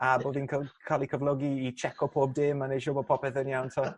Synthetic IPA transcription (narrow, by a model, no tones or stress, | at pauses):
aboːðiːnkʰakʰalˠikʰəvlˠɔɡiːt͡ʃʰɛkʰɔpʰoːb̚dɪːmːanejʃɔbopʰɔpɛθənjawntʰa